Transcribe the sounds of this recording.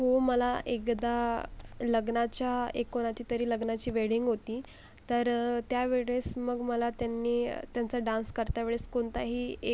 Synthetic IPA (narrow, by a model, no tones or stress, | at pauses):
ɦoməlaʔekd̪a | ləɡnat͡ɕjaḛkːoɽ̃at͡ɕiːt̪əɾiːləɡnat͡ɕiːʋeɽiŋɡɦot̪iː | t̪əɾt̪jaʋeɭesməɡməlat̪janːḭːt̪jant͡saɖãnskəɾt̪jaʋeɭeskoɳt̪aɦiːe